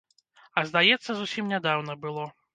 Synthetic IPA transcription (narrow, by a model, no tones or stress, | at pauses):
ɐzd̪ajɛt̪sːɐzusʲimnʲad̪awnɐbɨlˠɔ